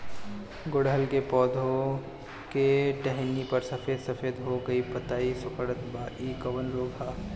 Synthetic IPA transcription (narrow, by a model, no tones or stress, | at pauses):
ɡʊɽɦəlkepɔːd̪ʱõ | keʈɛɦnipɐɾsɐfeːd̪sɐfʰeːd̪ɦoɡɐipɐt̪aːisʊkəɽət̪baːʔiːkɐʋənɾoːɡʱaː